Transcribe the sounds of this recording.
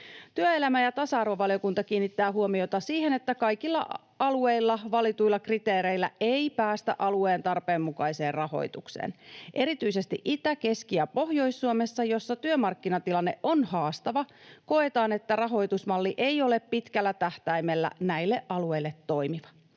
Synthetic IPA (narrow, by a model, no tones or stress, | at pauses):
t̪yøe̞læmæjɑt̪ɑsɑɑrʋɑʋɑlijokunt̪ɑkiːnːit̪ːæːɦuomio̞t̪ɑsiːhe̞net̪ːækɑjkilːɑ̰ | ɑlue̞jlːɑʋɑlit̪ujlːɑkrit̪e̞ːɾe̞ilːæe̞ijpæːst̪æ̰ʔɑlue̞ːnt̪ɑrpe̞ːmmukɑjse̞ːrrɑho̞̰jt̪uksḛːnʔe̞ɾit̪yise̞st̪ḭʔit̪æke̞skiæpo̞hjo̞jsːuome̞sːɑjo̞sːɑt̪yømɑrkːinɑt̪ilɑnːeʔo̞nhɑːst̪ɑʋɑko̞e̞t̪ɑːne̞t̪ːærɑɦo̞jt̪usmɑlːiʔe̞ijo̞le̞ppit̪kælːæt̪æht̪æjme̞lːæ̰næilːeʔʔɑlue̞ilːe̞t̪ːo̞jmiʋɑ